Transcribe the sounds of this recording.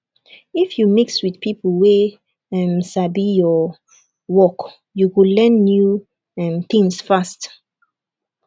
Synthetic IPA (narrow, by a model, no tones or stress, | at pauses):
ifjumikswið̥pʰipəlwe | ɛmsabijɔ | wɔk | juwulɛ̃nːju | ɛ̃mθĩŋsfast